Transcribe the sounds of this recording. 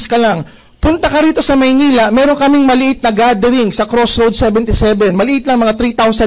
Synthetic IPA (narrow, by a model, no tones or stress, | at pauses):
skɐlaŋ | pʊnt̪ɐkɐɾiːt̪o̞sɐmɐjniːlɐmɛːɾo̞ŋkɐmɪŋmɐlɪʔɪt̪̚nɐɡad̪ɛɾɪŋsɐkɾosɾowd̪sɛbɛnt̪ɪsɛbɛnmɐlɪʔɪt̪lɐŋmɐŋat̪ɾit̪awsɐ